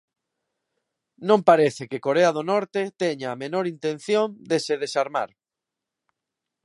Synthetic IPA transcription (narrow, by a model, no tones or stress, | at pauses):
nõmpaɾeθekekoɾeaðonɔɾt̪et̪ɛɲaːmenoɾint̪ẽn̟θjond̪eseð̞esaɾma̰ɾ